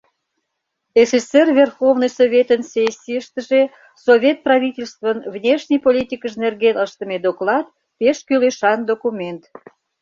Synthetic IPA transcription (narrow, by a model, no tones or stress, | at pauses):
efet͡servʲerxovnɨjsovʲet̪ənsʲesʲːiəʃt̪əʒe | sovʲet̪̚prɑvʲitʲelʲst̪vənvnʲeʃnʲəjpolʲit̪ʲikəʃnerɣenəʃt̪əmed̪oklɑt̪̚ | peʃkyleʃɑnd̪okumʲent̪